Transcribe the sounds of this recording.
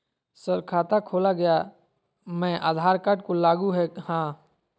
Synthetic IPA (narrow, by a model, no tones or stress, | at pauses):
səɾkʰaːt̪akʰoːlaɡɐja | mɛ̃ʔaːd̪ʱaːɾkəʈkolaːɡuɦɛhãː